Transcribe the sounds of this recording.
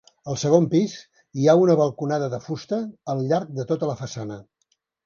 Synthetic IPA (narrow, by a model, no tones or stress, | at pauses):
əlˠsəɣompiz | iaunəβəlˠkunaðəðəfust̪əːlʎaɾk̚d̪ət̪ot̪ələfəsanə